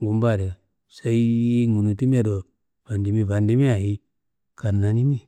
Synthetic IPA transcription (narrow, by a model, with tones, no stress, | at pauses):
ɡu˨mba˦˨ɾe˨ | sa˦i˦ŋu˨nu˨ti˦m˦e˦˨do˨ | v̥a˨ndi˨˦mi˦va˨ndi˦mi˦a˨i˦ | ka˨nːa˨ni˦mi˦